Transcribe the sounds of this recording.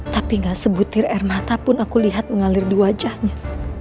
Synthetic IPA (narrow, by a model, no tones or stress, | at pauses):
t̪apiŋɡasəbut̪ɪrɛrmat̪apʊnakuliɦat̪̚məŋalɪrdiwad͡ʒahɲa